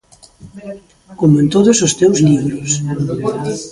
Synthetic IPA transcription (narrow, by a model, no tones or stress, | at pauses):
komoẽnt̪oðʊsost̪ewzliβɾʊs